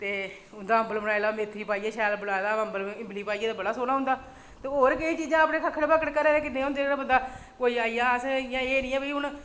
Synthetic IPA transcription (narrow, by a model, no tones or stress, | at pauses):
t̪eː | ʊnd̪aːəmbəlbəɽaːelaːmeːt̪ʰɾiːpaːiːaːʃɛːlbʊɽaːd̪aːəmbəlːɪmbliːpaːiːãːd̪aːbəɽaːsoːnaːɦʊ̃nd̪aː | t̪eːɦoːɾkəĩːt͡ʃiːd͡ʒãːəːpnẽːkʰəkʰːəɽpəkəʈkəɾeːɾeːkɪt̪ẽːʊ̃nd̪eːɾabənd̪aːkoːiːaːiːãːsjãːeːnĩːɛːbəiːʊɳ